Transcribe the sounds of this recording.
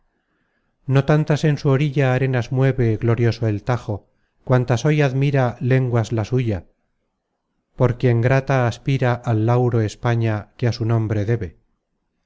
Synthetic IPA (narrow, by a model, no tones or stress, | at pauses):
no̞t̪ant̪ase̞nsuo̞ɾiʎaːɾe̞nazmwe̞βe̞ɣlo̞ɾjoso̞elt̪axo̞ | kwant̪aso̞jaðmiɾale̞ŋɡwazlasuʝa | po̞ɾkeŋɡɾat̪aːspiɾaʔalːawɾo̞espaɲakeasunõ̞mbɾe̞ðe̞βe